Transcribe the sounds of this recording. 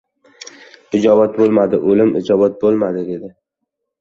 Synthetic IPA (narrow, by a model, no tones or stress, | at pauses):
ɪd͡ʒɒbat̪̚bolˠmad̪ɪʔolɪmʔɪd͡ʒɒbat̪̚bolˠmad̪ɪd̪e̞d̪ɪ